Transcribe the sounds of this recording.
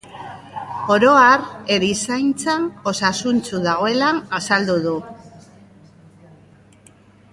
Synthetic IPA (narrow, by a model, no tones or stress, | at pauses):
o̞ɾo̞aɾe̞ɾisajnt͡sano̞sasunt͡suðaɣ̞o̞e̞lanasald̪uðu